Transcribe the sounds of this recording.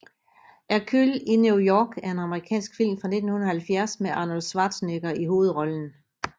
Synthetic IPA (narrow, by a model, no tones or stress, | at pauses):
ʔæɐkʰylinjujɒːɡ̥æɐe̝nɑ̈məʁikʰɛ̰ːnsɡ̥fil̰mfʁɑ̈ne̝d̥n̩hunð̩ˠhælfjæɐsmeʔɑ̈ːno̝lsʋɑ̈ːd̥sneɡ̥ɐiɦo̝ːð̞̩ˠʁɒ̽ln̩